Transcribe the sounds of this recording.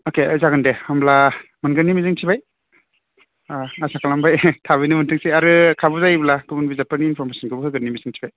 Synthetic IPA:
okezaɡɯndehamlamɯnɡɯnimizɯŋtʰibaj | asʰakalambajtʰaβɯjnɯmɯntʰɯŋseaɾɯkʰabuzajblakɯbunbizapɯɾniːnpʰɔɾmesɔnkʰɯbɯhɯɡɯnːimizɯŋtʰibaj

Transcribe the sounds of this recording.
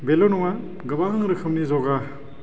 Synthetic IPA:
belonɔŋa | ɡɐbaɦɯŋɾɯkʰɯmnizɔɡa

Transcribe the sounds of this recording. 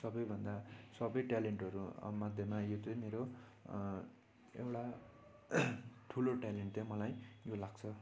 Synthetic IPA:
sʌbʌjbʱʌnd̪asʌbʌjʈaleɳʈʌɾṵmad̪ʱjemajot͡sʌjmeɾo | ḛwʈa | ʈʰuloʈaleɳʈtʌmʌlajjolaɡ̚t͡sʰʌ

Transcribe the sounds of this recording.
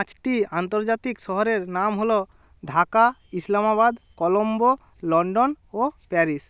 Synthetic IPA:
t͡ʃʈiant̪oɾd͡ʒat̪ikʃɔɦɔɾeɾnamɦolo | ɖʱakaislamabad̪kɔlombo | lɔɳɖon | opɛɾis

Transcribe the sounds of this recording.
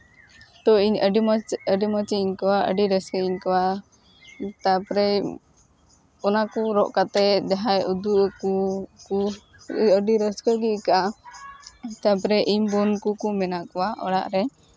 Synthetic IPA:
t̪ɔiɲɖəɖimət͡ʃiiɲkawaʔə̰ɖiɾəskəiɲkawa | t̪apɾɛ | ɔnakuɾɔʔkat̪ɛd͡ʒaɦajud̪uʔkuku | əɖiɾəskəɡiʔkaʔa | t̪apɾɛʔimbɔnkukumɛnaʔkɔwaʔɔ̰ɽa̰ʔɾɛ

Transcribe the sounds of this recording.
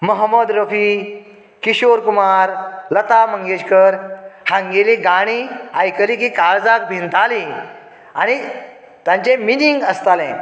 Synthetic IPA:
məɦəmːəd̪ɾəfi | kiɕoɾkumaɾlət̪aməŋɡeɕkəɾhãŋɡeliɡaɽ̃iajkəliːkikaɾd͡zak̚bʱint̪ali | a̰ɽ̃i | t̪jãɲt͡ɕeminiŋɡəst̪alɛ̃

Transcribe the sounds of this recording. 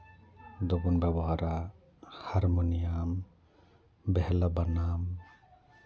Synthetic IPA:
d̪oɡunbɛbɔɦaɾa | haɾmonijam | bɛɦɛlabanam

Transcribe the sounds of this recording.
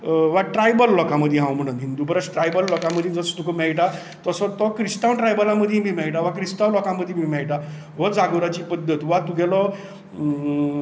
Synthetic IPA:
ʋaʈɾajbəlːɔkãməd̪ʱːjeɦãwm̤əɽ̃uːnɦind̪upəɾəsʈɾajbəlːɔkãməd̪ʱjed͡zəst̪ukʰəmɛɭʈa | t̪ɔsɔt̪ɔkɾisʈ̪awʈɾajbəlaməd̪ʱjemiːmɛɭʈ̬aʋakɾist̪awlɔkãməd̪ʱːjemiːmɛɭʈa | ʋɔd͡zaɡəɾat͡ɕiːpəd̪ʱːət̪ʋat̪uɡʱɛlɔ

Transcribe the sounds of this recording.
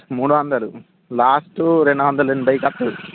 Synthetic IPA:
muːɽuʋɐnd̪ɐlu | laːsʈuɾeɳɖuʋɐnd̪ɐluenːubɐjkɐpːuu

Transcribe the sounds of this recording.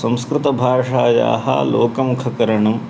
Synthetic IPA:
sɐ̃m̃skɾɪt̪ɐbʱaːʂaːja̰ːɦɐ̰lo̰ːkɐmukʰɐkɐɾɐɳɐm

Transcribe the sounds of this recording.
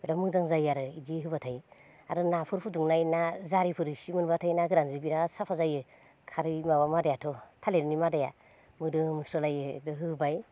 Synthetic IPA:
eɾamɯzaŋzajaɾɯidiɦɯbatʰaj | aɾɯnapʰɯɾpʰuduŋnajnazaɾipʰɯɾɯsimɯnbatʰajnaɡɯɾanzibiɾasapʰazajɯ | kʰaɾɯmaβamadajatʰɔtʰaleɾnimadaja̰ | mɯdɯmɯsɔlajɯdɯɦɯbaj

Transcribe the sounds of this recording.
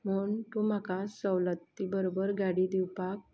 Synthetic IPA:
m̤əɳt̪umakasəwlət̪ːibəɾobəɾɡaɽid̪iwpak̚

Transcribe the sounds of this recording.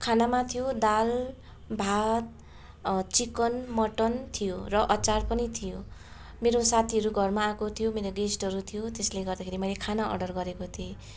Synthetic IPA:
kʰanamat̪ʰijod̪al | bʱat̪̚ | t͡sikʌnmʌʈʌnt̪ʰijorʌʔʌt͡sarpʌnit̪ʰijo | meɾosat̪ʰiʌɾuɡʱʌrmaːkot̪ʰijomeɾoɡesʈʌɾut̪ʰijot̪esleɡʌrd̪akʰeɾimʌjlekʰanaʔʌ̰ɖʌrɡʌɾekot̪ʰie

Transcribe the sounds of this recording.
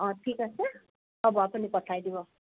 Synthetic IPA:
ʌ̃ʈʰikʌsə | ʌbɔapunipʌʈʰajd̪ibo

